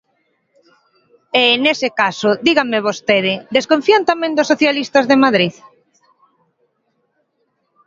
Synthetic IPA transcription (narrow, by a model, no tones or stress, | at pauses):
enesɪkasoðiɣaŋmeβ̞ost̪eð̞ɪd̪eskõɱfiant̪amẽnd̪ʊsːoθjalist̪azðemaðɾið